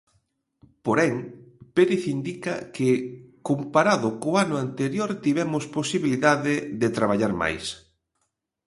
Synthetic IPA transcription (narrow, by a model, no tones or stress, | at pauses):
poɾɛŋpeɾiθind̪ikɐkɪkompaɾaðʊkʊanʊant̪eɾjoɾt̪iβɛmʊsposiβiliðaðɪðɪt̪ɾaβ̞aʎaɾma̰js